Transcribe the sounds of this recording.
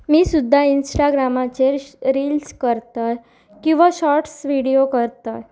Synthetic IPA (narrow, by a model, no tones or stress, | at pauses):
miːsud̪ʱːainsʈaɡɾamat͡ɕeɾɾilskəɾt̪əj | kĩw̃ʋaɕɔɾʈsʋiɽiokəɾt̪əj